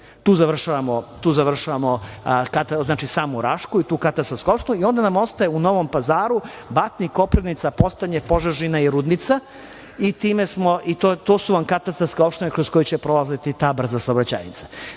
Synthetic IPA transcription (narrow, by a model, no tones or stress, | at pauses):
t̪uːzaʋr̩ʃaʋamot̪uːzaʋr̩ʃaʋamokat̪aznaːt͡ʃisaːmuɾaʃkuit̪uːkat̪ast̪aɾskeopʃt̪enuio̞nd̪anamo̞st̪ajeuno̞ʋompazaːɾubat̪niko̞pɾenit̪sapo̞st̪aɲepo̞ʒaʒinaiɾud̪nit̪sa | it̪iːmesmoʔit̪ot̪osuʋamkat̪ast̪aɾsko̞pʃt̪enekɾosko̞jit͡ɕɛpɾolazet̪it̪aːbr̩zasaobɾat͡ɕa̰ːjnḭt̪sḁ